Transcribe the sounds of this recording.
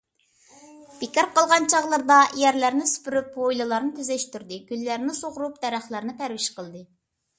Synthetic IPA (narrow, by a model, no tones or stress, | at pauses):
b̥ikʲiɾqɑlˠʁɑnt͡ʃʰɑʁlˠəɾd̪ɑjæɾlæɾnɪsy̥pyɾypojlˠɨlˠɑɾnɨt̪ʰyzɛʃt̪yɾd̪ɨɡʲylːæɾnɪsoʁʊɾupd̪̥ɛɾæχlˠɑɾnɨt̪ʰæɾwiʃqəlˠd̪ɨ